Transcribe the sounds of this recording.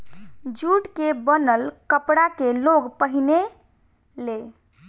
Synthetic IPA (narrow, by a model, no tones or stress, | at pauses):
d͡ʒuʈkebənəlkəpɽakeloɡpəɦine | le